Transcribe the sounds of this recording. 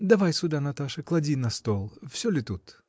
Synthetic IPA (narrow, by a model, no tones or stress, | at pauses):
d̪ɐvajsʲʊd̪anɐt̪aʂɨklˠɐdʲinɐst̪olˠfsʲolʲɪt̪ut̪